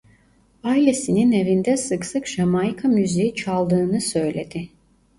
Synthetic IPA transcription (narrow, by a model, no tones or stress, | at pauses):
ailʲe̞sinine̞vind̪ɛsɯksɯkʒamajkʰamyzejit͡ʃʰalˠd̪ɯːnɯsø̞jlʲe̞d̪ɪ